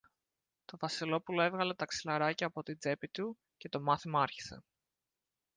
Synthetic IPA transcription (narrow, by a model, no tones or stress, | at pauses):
t̪o̞vɐsilo̞pulo̞e̞vɣɐle̞t̪ɐksilɐɾɐcɐːpo̞t̪id͡ze̞pit̪u | ce̞t̪o̞mɐθimɐɐɾçi̥se̞̰